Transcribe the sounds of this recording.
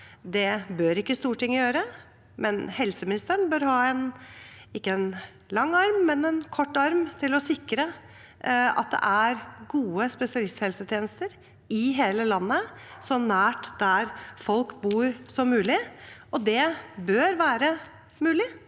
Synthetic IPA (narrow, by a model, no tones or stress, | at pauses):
d̪ɛbøːɾɪkːəst̪uːʈɪŋːəjøːɾə | mʔɛnhɛlsəmɪnɪst̪əɳbøːɾhɑːɛnɪkːəɛn | lɑŋːɑɾmːɛnɛnkʰɔʈːɑɾmt̪ʰɪlɔsɪkːɾə | ɑ̰t̪̚d̪ɛ̰ʔæɾɡuːəspɛsɪɑlɪst̪hɛlsət̪ʰjeːnəst̪əɾ | ɪɦeːləlɑnːəsɔnæːʈd̪æɾfɔlkbuːɾsɔmʉːlɪʔɔd̪ɛbøːɾʋæːɾə | mʉːlɪ